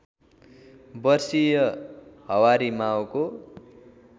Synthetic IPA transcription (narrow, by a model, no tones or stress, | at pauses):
bʌrsijʌhʌwaɾimawko